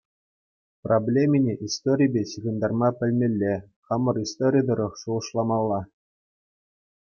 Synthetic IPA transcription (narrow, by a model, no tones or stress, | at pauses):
prʔoblʲemʲinʲeʔist̪oɾʲijbʲeɕiɣʲɤ̆nd̪ɑrmɑpʲɘ̆lʲmʲelʲːe | χɑmɤ̆rist̪oɾʲid̪ɤ̆ɾɤ̆χʂuɤ̆ʂlˠɑmɑlˠːɑ